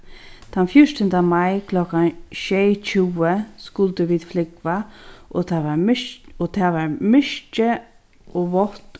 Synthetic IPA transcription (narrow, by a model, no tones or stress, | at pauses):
t̪ʰanfjʊʂt̪ənd̪amajkʰlɔkaʃeːt͡ʃʰuːəskʊlt̪əʋiːd̪flɪkvat̪ʰaʋaɔt̪ʰaːʋaɹmɪʃt͡ʃə | ɔʋɔt̪